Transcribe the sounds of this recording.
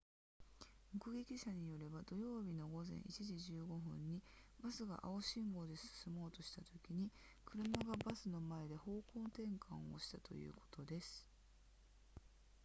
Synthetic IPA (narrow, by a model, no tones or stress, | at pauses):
mɯ̟kɯ̟ɡe̞kʲiɕaɲ̟ijo̞ɾe̞bad̪̥o̞jo̞ːbʲino̞ɡo̞zḛ̃ɰ̃ḭt͡ɕiʑiʑɨːɡo̞ɦɯ̟̃ɲ̟ːi | basɨɡa̰ʔaoɕĩŋɡo̞ːd̪e̞sɨ̥sɨmo̞ːt̪o̞ɕi̥t̪at̪o̞kʲiɲ̟i | kɯ̟ɾɯ̟maɡabasɨno̞mae̞d̪e̞ho̞ːko̞ːt̪ẽ̞ŋkʰã̰o̞̰ɕi̥t̪at̪o̞̰jɯ̰ːko̞̥t̪o̞d̪e̞sɨ̥